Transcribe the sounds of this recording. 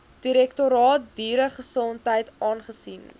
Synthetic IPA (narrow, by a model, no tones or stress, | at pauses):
d̥iɾɛktoɾɑːt̚diːɾəχəsɔntɦəjtɑːnχəsin